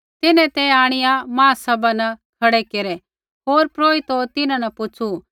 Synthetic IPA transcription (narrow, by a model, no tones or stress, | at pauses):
t̪ɪnɛ̃t̪ɛaːɽ̃ɪjãmãːsɐbanɛkʰɐɽɛkeːɾɛ | ɦoːɾpɾoːit̪ot̪ɪnãnɐpʊt͡ʃʰu